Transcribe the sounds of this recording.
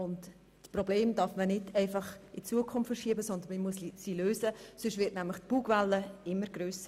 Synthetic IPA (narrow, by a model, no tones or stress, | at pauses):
ʊntː | prɔbleːmd̥ɑɾfmənɪdɛɪfɑχɪt͡suəkʰʊmfəʃiəbəsɔnd̪ənməmuəsisiløːsəsʏʃtvɪɾtnæmləχtpuːɡvalːəɪmːəɾɡ̥ɾøːsə